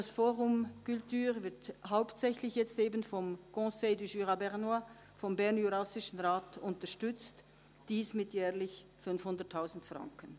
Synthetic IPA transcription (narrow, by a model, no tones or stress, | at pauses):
d̥asfoːʁʊmkʏltyːʁvɪɐthaʊptsɛçlɪçjɛt͡steːbənfɔmkɔ̃seɪdyʒyːʁabɛʁnwa | fɔmbɛʁnjuʁasɪʃən̩ʁaːtʊntɐʃtʏt͡st | d̥iːsmɪtjɛːɐlɪçfʏnfhʊndɐtʰːaʊzn̩tfʁɑ̰ŋkən